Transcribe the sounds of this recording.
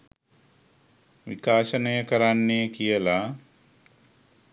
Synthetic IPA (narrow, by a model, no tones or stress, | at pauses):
ʋḭkaːʃənəjəkəɾanːeːkijəla